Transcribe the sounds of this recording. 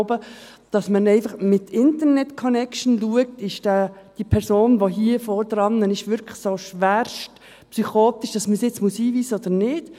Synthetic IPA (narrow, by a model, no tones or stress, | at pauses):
bə | d̥ɑsmənɛɪfɑχmɪt̪ɪnt̪əɾnɛtkʰɔnɛkʃnluək̚tɪʃd̥æ | d̥ipʰɛɾsoːnʋoɦiəfɔːɾd̥̪ɾɑnːənɪʃʋʏɾkʰlə̥χsoʃʋæːɾʃt | psyχoːt̪iʃd̥ɑsməsɪt͡smuəsiːviːsəɔd̪əɾnɪːd̥